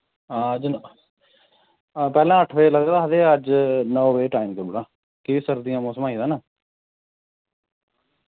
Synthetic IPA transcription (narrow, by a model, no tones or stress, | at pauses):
aːd͡ʒn | pɛːlãːəʈʰʋeːləɡd̪aːɦəd̪eːəd͡ʒnɔːʋeːʈaːimkəɾbuɽãː | kɪʋisəɾd̪ɪjãːmɔːsəmaːĩːd̪aːnaː